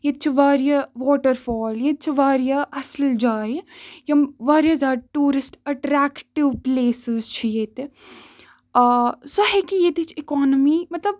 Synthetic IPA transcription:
jet̪̚t͡ʃʰiʋaːɾijɐʋɔːʈəɾfɔːljet̪̚t͡ʃʰiʋaːɾjaʔɐsld͡ʒaːjjɐmʋaːɾijɐzaːɖʈuːɾɪsʈɐʈɾɛːkʈɪʋpleːsɪzt͡ʃʰijeːt̪e | sɐɦekijeːt̪et͡ʃʰɪkɔːnəmiːmɐt̪ləb

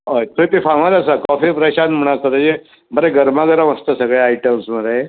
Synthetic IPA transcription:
ɦot̪ʰət̪efaŋalasakɔfipɾəɕanm̤əɽ̃asəd̪ad͡ʑe | bəɾeɡəɾmaɡəɾəməst̪əsəɡɭeaiʈəmsməɾae

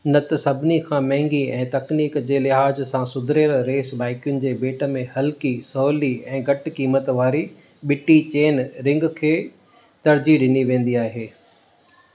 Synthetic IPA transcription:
nɐt̪sɐbʱɪnikʰãmɛ̃ɦɪ̃ŋɡiɛ̃ːt̪ɐkniːkd͡ʑeːlɪɦaːzsãsʊd̪ʱɾeːɾɾeːsbaːɪkjʊnɪ̆d͡ʑeːbeːʈə̆mẽhɐlkisɔːliɛ̃ːɡɐʈkiːmət̪ʋaːɾi | ɓɪʈit͡ɕeːnɾɪ̃ŋɡkʰeː | t̪ɐɾd͡ʑiɗɪniʋẽːn̆d̪iaːɦeː

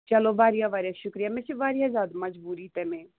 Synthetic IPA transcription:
t͡ʃɐloːbʱaːɾijaːbʱaːɾijaːʃʊkɾijaːmɛ̃sebaːɾijaːzaːd̪mɐd͡ʒbuːɾiːt̪ɛmẽː

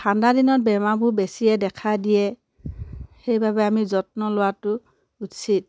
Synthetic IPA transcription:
kʰandadinɔt̚bɛmabʊbesiɛdɛkʰadijɛ | xejbabɛamizɔt̚nɔlʊwatʊ | utsit̚

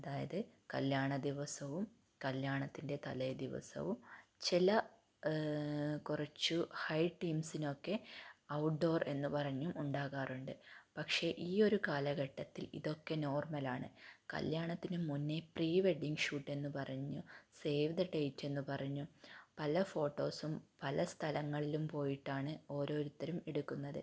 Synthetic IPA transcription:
ɐðaːjɐðɨkɐ̰ljaːɳɐd̪iʋɐsɐʋum | kɐljaːɳɐt̪ːinde̞t̪ɐlɐjd̪iʋɐ̰sɐ̰ʋumt͡ɕilɐ | kurɐt͡ɕːuhɐjʈːiːmsino̞kːe̞ɐwʈ̚ɖo̞ːre̞nːupɐrɐɲːumuɳɖaːɣaːruɳɖɨpɐkʂe̞ʔiːo̞ɾukaːlɐɣɐʈːɐt̪ːilḭðo̞kːe̞no̞ːrmɐlaːɳɨ̰kɐ̰ljaːɳɐt̪ːinumunːepriːʋeɖːiŋɡʂuːʈːe̞nːupɐrɐɲːuse̞ːʋðɐʈːejitːe̞nːɨpɐrɐɲːupɐlɐfo̞ːʈːo̞ːsumpɐlɐst̪ʰɐlɐŋːɐɭilumpo̞ːjiʈːaːɳɨo̞ːɾo̞ːɾut̪ːɐɾumeɽukːunːɐðɨ̰

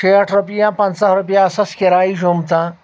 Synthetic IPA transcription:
eɐʈʰɾupijãːpɐnsaɦɾupijãɐsɐskeɾaːiʐomt̪ãː

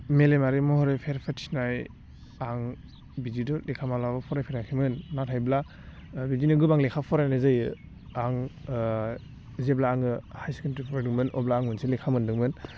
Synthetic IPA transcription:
melemaɾimɔhɔɾepʰeɾpʰatʰi̥snaj | aŋ | bid͡ʒidɔlekʰamalabɔpʰɔɾajpʰeɾakʰimɯnːatʰajbla | bizinɯɡɯbaŋlekʰapʰɔɾajnɯzɯjɯ | aŋ | zeblaːŋɯhajskɯntɾipʰɔɾadɯŋmɯnɔblaːŋmɯnselekʰamɯndɯŋmɯn

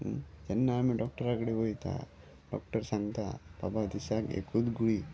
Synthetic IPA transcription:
d͡ʒenːaːmiɖɔk̚ʈɐɾakɐɽeʋojt̪a̰ | ɖɔ̰k̚ʈəɾsaŋɡt̪a̰pa̰bad̪isakḛkud̪ɡuɽi

